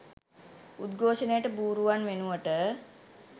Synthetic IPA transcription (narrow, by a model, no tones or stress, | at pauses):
ud̪ɡʱoːʃənəjəʈəbuːɾuʋanʋenuʋəʈə